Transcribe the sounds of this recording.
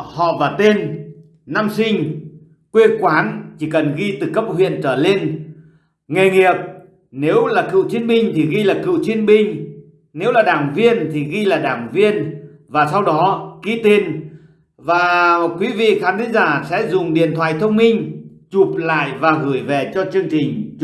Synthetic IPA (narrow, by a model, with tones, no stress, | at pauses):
hɔ̰˧˨vaː˨˩t̪e˧n | naː˧msï˧ŋ̟ | kwe˧kwaː˨˦nt͡ɕi˧˩kə˨˩nɣi˧t̪ɨ˨˩kə˦˥p̚hwḭ˧˨ənt͡ɕəː˧˩le˧n | ŋe˨˩ŋi˨˩əp̚ | ne˨˦wlaː˨˩kɨ̰˧˨wt͡ɕi˧ənɓï˧ŋ̟t̪ʰi˨˩ɣi˧laː˨˩kɨ̰˧˨wt͡ɕi˧ənɓï˧ŋ | ne˨˦wlaː˨˩ɗaː˧˩ŋvi˧ənt̪ʰi˨˩ɣi˧laː˨˩ɗaː˧˩ŋvi˧ən | vaː˨˩sa˧wɗɔ˨˦ɣi˨˥t̪i˧n | vaː˨˩kwi˨˦vḭ˧˨xaː˨˦nt̪ʰï˨˦ŋzaː˧˩sɛ̰˧˥zʊ˨˩ŋ͡mɗḭ˧˩ənt̪ʰwa̰ː˧˨jt̪ʰə˧wŋ͡mmï˧ŋ̟t͡ɕu˨˩p̚la̰ː˧˨jvaː˨˩ɣɨ˧˩jve˨˩t͡ɕɔ˧t͡ɕɨ˧əŋt͡ɕï˨˩ŋ̟